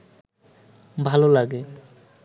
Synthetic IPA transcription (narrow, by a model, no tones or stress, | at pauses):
bʱalɔlaɡɛ